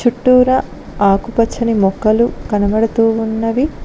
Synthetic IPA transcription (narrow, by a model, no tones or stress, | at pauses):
t͡ʃuʈːuːɾɐ | aːkupɐt͡ʃʰːɐnimɔkːɐlukɐnɐbɐɽɐt̪uːunːɐʋi